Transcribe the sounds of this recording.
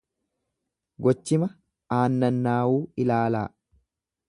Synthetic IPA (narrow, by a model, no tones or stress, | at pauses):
ɡɔt͡ʃːɪmɐ | aːnːɐnːaːwuːɪlaːlaː